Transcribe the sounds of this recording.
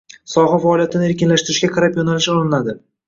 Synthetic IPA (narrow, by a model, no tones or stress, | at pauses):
sɒʁafaɒːlijat̪ʰɪnɪe̞ɾkʲɪnlaʃt̪ɪɾɪʃɡʲakʰaɾapjonalɪʃɒlˠɪnad̪ɪ